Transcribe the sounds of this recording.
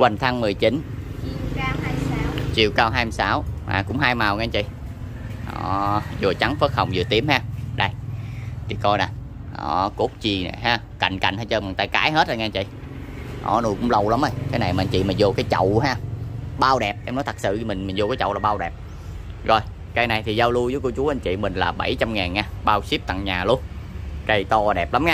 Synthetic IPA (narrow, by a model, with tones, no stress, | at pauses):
kwa˨˩n̟t̪ʰa˧ŋmɨ˨˩əjt͡ɕi˨˦nː˧ | a˦t͡ɕi˨˩əwkaː˧wɦaː˧jm˧saː˨˦wma̰ː˨˩kʊ̰˧˥ŋ͡mɦaː˧jmaː˨˩wŋa˧nt͡ɕḭ˧˨ | ʔɔ̰ː˧˨˩zo˨˩t͡ɕa˨˦ŋfə˦˥t̚hə˨˩wŋ͡mzɨ˨˩ət̪i˨˦əmhaː˧ɗə˧˩jt̪ʰi˨˩kɔ˧jna˨˩ | ʔɔ̰ː˧˨˩ko˦˥k͡p̚t͡ɕi˧˩na̰˨˩ɦaː˧ | ka̰˨˩jŋ̟ka̰˨˩jŋ̟haː˧jt͡ɕəː˧maː˨˩t̪aː˧jkaː˧˦jɦe˦˥t̚zə˧˩ŋɛ˧˦t͡ɕḭ˧˨ | ʔɔ̰˧˨˩nu˨˩kʊ̰˧˥ŋ͡mlə˧˩wla˨˦mʔə˧˩jkaː˨˦jna˨˩jma˨˧n̟t͡ɕḭ˧˨maː˨˩zo˨˩kaː˨˦jt͡ɕə̰˧˨wɦaː˧ɓaː˧wɗɛ˨˩p̚ʔɛ˧mnɔ˨˦jt̪ʰə˨˩k̚sɨ̰˧˨˧mï˨˩ŋ̟mï̟˨˩zo˨˧˩kaː˨˦jt͡ɕə̰˧˨wlaː˨˩ɓaː˧wɗɛ˨˩p̚ | zo˨˩j | kaː˨˦jna˨˩jt̪ʰi˨˩zaː˧wlu˧jzəː˨˦jko˧t͡ɕu˨˦əʔa˧ɲ̟t͡ɕḭ˧˨mï˨˩ŋ̟laː˨˩ɓə˧˩jt͡ɕa˧mŋaː˨˩nŋaː˧ɓaː˧wsi˦˥p̚t̪a̰˧˨ŋɲaː˨˩lu˧ənkə˧jt̪ɔ˧ɗɛ˨˩p̚la˨˦mŋaː˧